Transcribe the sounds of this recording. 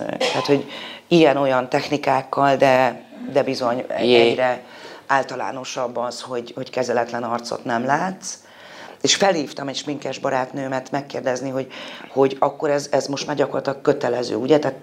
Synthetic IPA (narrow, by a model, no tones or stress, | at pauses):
t̪aːt̪ho̞ɟijɛno̞jɒnt̪ɛxnikaːkːɒld̪ɛd̪ɛbizo̞ɲɛ̰ɛɲɾɛaːlt̪ɒla̰ːno̞ʃɒbːɒsho̞ɟho̞ckɛzɛlɛt̪lɛnɒrt̪so̞̰t̪nɛmlaːt̪s | eːʃfɛlhiːft̪ɒmɛʃmiŋkɛʒbɒɾaːt̪nøːmɛrt̪mɛkːeːrd̪ɛzniɦo̞ɟho̞ɟɒkːo̞ɾɛzɛzmo̞ʃt̪maːrɟɒkorlɒt̪lɒkkø̞t̪ɛlɛzø̰ːuɟɛt̪aːt̪